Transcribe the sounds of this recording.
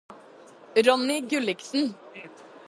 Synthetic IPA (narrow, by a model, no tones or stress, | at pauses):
ɾɔnːɪɡʉlɪksn̩